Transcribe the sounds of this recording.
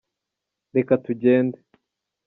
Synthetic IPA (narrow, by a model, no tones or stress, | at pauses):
ɾe̞katuɟeːnde